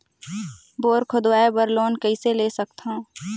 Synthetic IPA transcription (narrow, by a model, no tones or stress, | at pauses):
boːɾkʰʊd̪waːebəɾloːnkiseleːsək̚t̪ɦãː